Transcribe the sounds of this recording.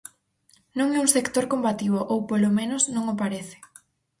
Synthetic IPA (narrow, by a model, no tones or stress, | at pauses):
nõŋɛũŋsekt̪oɾkombat̪iβoʔowpolomẽnosnõŋopaɾeθɪ̥